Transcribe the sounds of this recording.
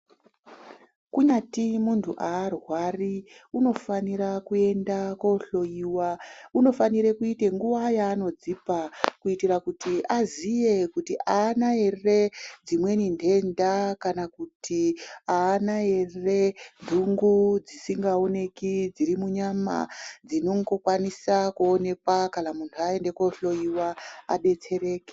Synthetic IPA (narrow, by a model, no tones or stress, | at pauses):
kuɲatimuntʰṵʔaːrwariuno̞faniɾakue̞ndakoɬo̞jiwauno̞faniɾekuiteŋɡuʋajaːno̞d͡zipakuitirakutiazije̞kutiʔaːnae̞re̞d͡zimwe̞ninde̞ndakanakutʰiaːnae̞rrendʱuŋɡud͡zisiŋɡao̞ne̞kid͡ziɾimuɲama̰d͡zino̞ŋɡo̞kwanisakuone̞kwakanamuntʰuae̞nde̞ko̞ɬo̞jiwaa̰ɗe̞t͡se̞ɾe̞ːke̥